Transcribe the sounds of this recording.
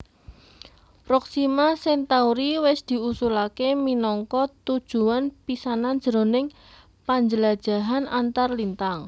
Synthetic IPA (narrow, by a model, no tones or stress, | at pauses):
pɾɔksimasɛnt̪auɾiwɪsd̪̥i̤usulakeminɔŋkɔt̪ud̥ʒ̥ṳanpisanand̥ʒ̥əɾonɪŋ | paɲd͡ʒəlad̥ʒ̥a̤ɦanant̪arlint̪aŋ